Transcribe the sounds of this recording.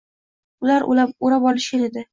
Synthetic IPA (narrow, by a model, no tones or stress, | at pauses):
ʊlaɾʔʊ̰laoɾabɒlɪʃʲaned̪ɪ